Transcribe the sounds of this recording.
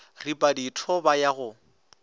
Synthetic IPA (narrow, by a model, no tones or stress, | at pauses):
ripʼaditʰɔbajaɣʊ